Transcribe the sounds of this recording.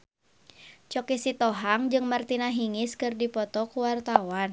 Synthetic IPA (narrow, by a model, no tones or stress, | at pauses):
t͡ʃɔkisit̪ɔɦaŋd͡ʒɨŋmart̪inaɦiŋiskɨrdipɔt̪ɔkuwart̪awan